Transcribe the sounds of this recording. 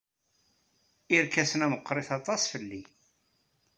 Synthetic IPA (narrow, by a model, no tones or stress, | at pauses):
iɾkæsənæməqːɾˤeθɑt̪ˤɑsˤfəlːi